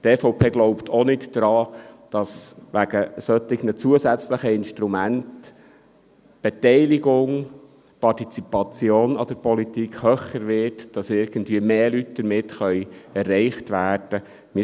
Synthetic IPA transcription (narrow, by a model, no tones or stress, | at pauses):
t̪ɛfɔʊpʰeːɡlɔʊptʰonɪtːɾɑːd̥ɑsʋæɡ̥əsœt̪ɪɡnət͡suəsæt͡sləχəɪnʃtɾumænt | b̥ɛtɛɪlɪɡʊŋ | pɑtit͡sipɑt͡sjoːnɑd̥̪əɾpɔlit̪ikʰhœχəɾʋɪɾtd̥ɑsɪɾɡ̥ən̩dʋiːəmeːlytd̥̪əɾmɪtχœʏɛrːɛɪχtʋæːrd̥ə | mɪ